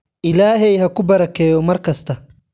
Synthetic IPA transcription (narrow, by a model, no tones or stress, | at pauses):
ʔɪlaːɦɛjhɐkʰʊbɐɾɐkʰɛːjɔmɐrkʰɐst̪ʰɐ